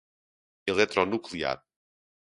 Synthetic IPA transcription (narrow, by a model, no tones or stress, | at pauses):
ilˠɛt̪ɾɔnuklˠia̰ɾ